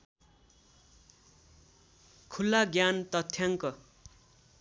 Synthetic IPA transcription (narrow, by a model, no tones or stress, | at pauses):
kʰulːaɡjant̪ʌt̪ʰːjaŋkʌ